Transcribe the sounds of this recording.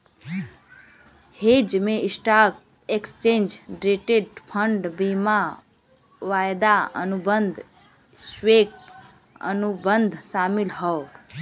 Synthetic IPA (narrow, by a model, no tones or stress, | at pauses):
hed͡ʒmeisʈak̚ | ekst͡ʃend͡ʒɖɾeʈeɖpʰəɳɖbima | ʋajd̪aə̰nubənd̪ʱ | swek̚ | ə̰nubənd̪ʱsamilɦəo